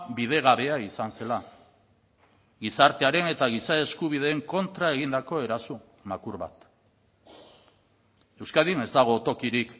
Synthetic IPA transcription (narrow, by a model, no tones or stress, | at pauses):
bið̞e̞ɣ̞aβe̞aisanse̞la | ɡisaɾt̪e̞aɾe̞ne̞t̪aɣ̞isae̞skuβið̞e̞ːŋko̞nt̪ɾae̞ɣind̪ako̞e̞ɾasu | makuɾβa̰t̪ | e̞wskaðine̞zd̪aɣ̞o̞t̪o̞kiɾik